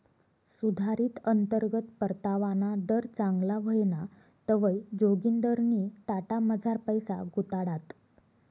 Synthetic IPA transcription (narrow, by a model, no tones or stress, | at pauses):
sud̪ʱaɾiːt̪ənt̪əɾɡət̪pəɾt̪aʋanad̪əɾt͡saŋɡlaʋəjna | t̪əʋəjd͡ʑoɡind̪əɾniːt̪aʈaməd͡zʱaɾpəjsa̰ɡut̪aɽat̪